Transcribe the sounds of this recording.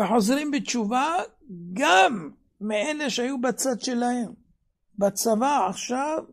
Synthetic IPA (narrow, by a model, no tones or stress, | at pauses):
eħo̞zʁimbet͡ʃuva | ɡamː | eeleʃeajubat͡sad̪ʃe̞lahem | bat͡savaaχʃav